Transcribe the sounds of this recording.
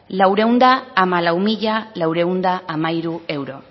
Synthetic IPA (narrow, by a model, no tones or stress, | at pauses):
lawɾe̞wnd̪aːmalawmiʎalawɾe̞und̪aamaiɾue̞wɾo̞